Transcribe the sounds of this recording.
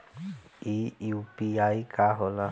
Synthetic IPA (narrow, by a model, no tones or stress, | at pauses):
iupiaikaɦola